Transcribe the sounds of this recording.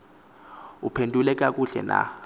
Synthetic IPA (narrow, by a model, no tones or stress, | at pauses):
upʰendʱulɛk̬ʼak̬ʼuɬɛ̰na̰